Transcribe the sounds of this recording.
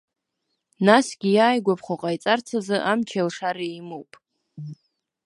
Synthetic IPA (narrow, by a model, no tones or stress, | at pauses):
nasɡʲijaːjɡʷapʰχʷoqʼajt͡sʼart͡sʰazɨʔamt͡ʃʰalʂaɾejmowpʼ